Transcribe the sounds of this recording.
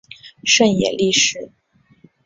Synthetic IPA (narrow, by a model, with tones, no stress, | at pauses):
ʂə˥˩njɛ̰˨˩li˥˩ʂɻ̩˨˩˦